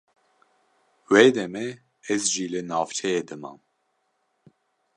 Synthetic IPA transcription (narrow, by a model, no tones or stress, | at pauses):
weːd̪ɛmɛ | ɛzʒiːlɨnɑːvt͡ʃʰɛjeːd̪ɨmɑ̰ːn